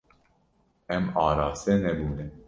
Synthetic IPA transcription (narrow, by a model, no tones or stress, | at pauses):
ɛmɑːɾɑːsɛnɛbuːnɛn